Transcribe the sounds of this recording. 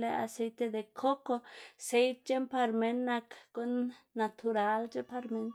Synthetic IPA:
le˧a̰˨se˧jt̪e˧d̪e˨kʰo˦ko˧se˦jt̪̚t͡ʃe˦mpa˧ɾme˧nːa˧kɡ̥o˦nːa˨t̪ʰu˨ɾa˧˦ld͡ʒe˦pa˧ɾme˧n

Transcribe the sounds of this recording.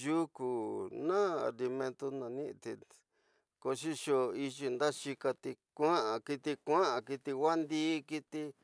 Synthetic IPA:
ju˦ku˨nã˦a̰˨li˧mẽ˧nt̪o˧nã˨nĩ˦ʔt̪i˧ | ko˧ʃi˦ʃo˧˨i˧ʒi˧nd̪a˦ʃi˧ka˧t̪i˧kʷã˦ʔã˨ki˧t̪i˧kʷã˦ʔã˨ki˧t̪i˧wa˦nd̪iː˦˧ki˧t̪i˧

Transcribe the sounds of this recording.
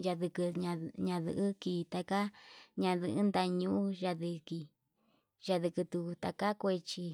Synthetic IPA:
ʒa˧ðɨ˧kɨ˧ɲã˧ɲã˧ðɨ̰˧ʔɨ˦ki˧˨t̪a˧ka˦ɲã˧ðɨ˧ʔɨ˦nd̪a˧ɲũ˦˧u˦ʒa˧ðɨ˧ki˧ | ʒa˧ðɨ˧kɨ˧t̪u˧t̪a˧ka˦kʷe˧t͡ʃi˧

